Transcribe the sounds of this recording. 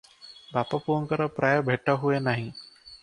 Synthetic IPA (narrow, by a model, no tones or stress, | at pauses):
baːpapuənkəɾapɾʔaːjəbʱeʈːaɦuenaːɦĩ